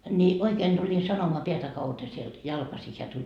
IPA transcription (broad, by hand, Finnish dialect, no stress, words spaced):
ni oikeːn d̥ulʲin sɑnomoɑ peætæ kɑutɑ sield̥ jɑlkɑsi heæ tulʲ